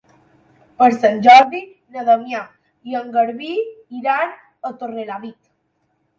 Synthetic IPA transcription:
pəɾsanʲd͡ʒɔɾði | nəðəmja | jəŋɡəɾβiiɾan | ət̪orelaβit̪

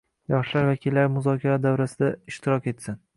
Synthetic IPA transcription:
jɒχʃlaɾvakʲʰɪlːaɾmʊzɒkʲʰaɾad̪awɾasɪd̪aɪʃt̪ʰɪɾɒkʲe̞t̪sɪn

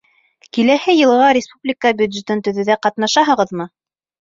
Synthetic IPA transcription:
kilæhɘjɤ̆lˠɤʁɑɾʲɪspublʲɪkəbʲjʉd̪ʒet̪ɘnt̪ɵ̆ðɵ̆ðæqɑt̪nɑʃɑɦɤ̆ʁɤðmɤ

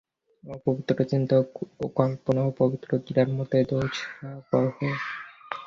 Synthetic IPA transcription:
opobit̪ːɾot͡ɕint̪okɔmponoopobit̪ːɾoɡiɾaɾmot̪ed̪owt͡ɕʰapɔɾɦo

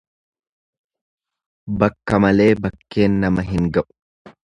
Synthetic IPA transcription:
bɐkːɐmɐle̞ːbɐkːe̞ːnːɐmɐɦɪŋɡɐʔʊ̥

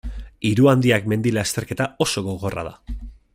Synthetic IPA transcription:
iɾuand̪iakme̞nd̪ilast̪e̞ɾke̞t̪ao̞so̞ɣo̞ɣo̞ra̰ð̞a̰

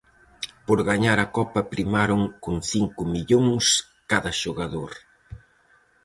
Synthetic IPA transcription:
poɾɣaɲaɾɐkɔpɐpɾimaɾʊŋkoŋθiŋkʊmiʎoŋs | kaðɐʃoɣaðoɾ

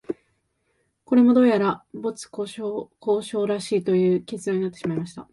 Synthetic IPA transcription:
ko̞ɾe̞mo̞d̪o̞ːjaɾabo̞t͡sɨ̥oko̞ːɕo̞ːɾaɕiːt̪o̞jɯ̟ːke̞t͡sɨd̪ãɲ̟inat̪ːe̞ɕimaimaɕi̥t̪a̰

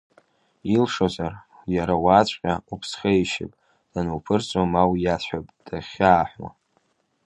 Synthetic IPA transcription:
ilʂozar | jaɾawaːt͡sʷʼqʲʼaupʰsχʲajʃɪ̰pʼ | d̥anuwpʰɨrt͡sʷʼomawjat͡sʰʷħapʼd̥aχʲaːħʷwa̰

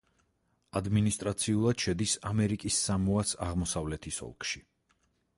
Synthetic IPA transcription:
ad̪minist̪ʼɾat̪sʰiulˠad̪̥ʃɛd̪isamɛɾikʼisːamuasaʁmɔsavlɛt̪ʰisɔ̰lˠkʼʃi

